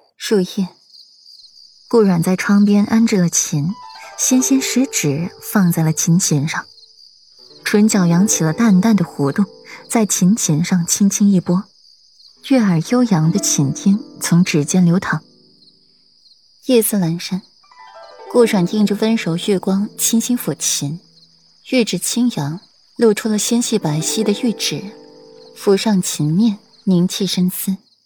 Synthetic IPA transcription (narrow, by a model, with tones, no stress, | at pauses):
ʂu˥˧xɛ˥˩ | kwɔ˥˩ɻwa˨˩nt͡sa˥˩ɪʈ͡ʂʰɑ˥ŋpjɛ˥nʔa˥nʈ͡ʂɻ̩˥˩lə˩t͡ɕʰi˧˥nɕɛ˥nɕɛ˥nʂɻ̩˧˥ʈ͡ʂɻ̩˨˩˦fɑ˥˧ŋt͡sa˥˩ɪlə˩t͡ɕʰi˧˥nt͡ɕʰɛ˧˥nʂɑ˥˩ŋ | ʈ͡ʂʰwə˧˥nt͡ɕjɑ˨˩ʊjɑ˧˥ŋt͡ɕʰi˨˩lə˦t̪a˥˧nt̪a˥˩nd̪ə˩xwɔ˧˥t̪ʊ˥˩˧ŋt͡sa˥˩ɪt͡ɕʰi˧˥nt͡ɕʰi˧˥nʂɑ˥˩ŋt͡ɕʰi˥ŋt͡ɕʰi˥ŋi˥˩pwɔ˥ | ɥɛ˥˩ə˞˨˩jo˥ʊjɑ˧˥ŋd̪ə˧t͡ɕʰi˨˩nt̪ʰi˥ŋt͡sʰʊ˧˥ŋʈ͡ʂɻ̩˨˩t͡ɕjɛ˥nljo˧˥ʊt̪ʰɑ˨˩˦ŋ | jɛ˥˧sɹ̩˥˩la˧˥nʂa˥n | kwɔ˥˩ʂwa˨˩nt̪i˥˧ŋʈ͡ʂu˥˩fə˥nʂo˨˧˥ʊɕɛ˥˩kwɑ˥ŋt͡ɕʰi˥nɕi˥ŋfɔ˨˩t͡ɕʰi˧˥n | jy˥˩ʈ͡ʂɻ̩˨˩t͡ɕʰi˥ŋjɑ˧˥ŋ | lɔ˥˩ʊʈ͡ʂʰu˥lə˨ɕjɛ˥nɕi˥˩pa˨˩ɪɕi˥d̪ə˨jy˥˩ʈ͡ʂɻ̩˨˩˦ | fu˧˩ʂɑ˥˩ŋt͡ɕʰi˧˥nmjɛ˥˩n | mi˧˥ŋt͡ɕʰi˥˩ʂə˥nsɹ̩˥˩